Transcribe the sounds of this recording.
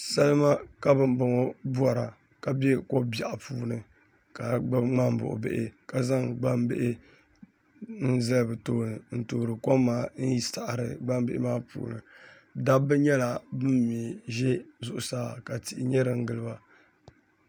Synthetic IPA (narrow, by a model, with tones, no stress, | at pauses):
sɛ˦lɨ˦ma˦ka˦bɨ˦mbɨ˨ŋo˦bu˦ɔ˨ɾa˨ | ka˨bɛ˦ko˦ba˨ʔpuː˦nɨ˨ | ka˨ɡ͡ba˦bŋ͡ma˦m˦bʊ̰˨ʔʊ̰˨bḛ˦ʔɪ˦ka˨za˦ŋɡ͡ba˦m˦bɪ̰˦ʔɪ˦ | n̩˦zɨ˦lbɨ˨toː˦nɨ˨n̩˨toː˨ɾɨ˨ko˦mːaː˦n̩˦ji˦sa˨ʔɾɨ˨ɡ͡ba˦m˦bɪ˦ʔɪ˦maː˦pṵː˨nɨ̰˨ | da˦bɨ˦ɲɛ˦la˨bɨ˦mmi˨ʒɛ˦zʊ˦ʔʊ˨saː˦ka˨ti˨ʔɪ˨ɲɛ˦ɾɨ˨ŋ̩˦ɡɨ˨lɨ˦ba˦